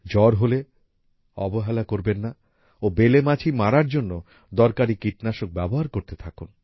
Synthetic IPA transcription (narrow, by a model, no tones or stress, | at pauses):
d͡ʑɔɾɦole | ɔ̰boɦɛlakoɾbenːa | obelemat͡ɕʰimaɾaɾd͡ʑonːo | d̪ɔɾkaɾikiʈnaʃok̚bɛboɦaɾkoɾt̪et̪ʰakun